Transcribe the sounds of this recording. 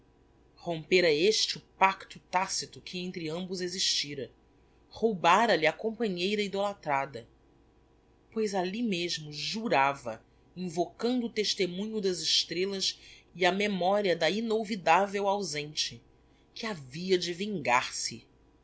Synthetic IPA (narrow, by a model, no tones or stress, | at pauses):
hõmpeɾɐeʃt͡ʃʊpakt̪ʊt̪asit̪ʊkʰɪẽnt̪ɾɪɐ̃mbʊzeziʃt͡ʃiɾɐ | howbaɾɐlɪɐkõpɐ̃ɲejɾɐid̪olat̪ɾad̪ɐ | pojzalimeʒmʊʒuɾavɐ̰ | ĩvokɐ̃nd̪ʊːt̪eʃt̪emũɲʊd̪ɐzɪʃt̪ɾelɐsiɐmemɔɾiɐd̪ɐinovid̪avewawzẽnt͡ʃɪ | kɪaviɐd͡ʒɪvĩŋɡaɾsɪ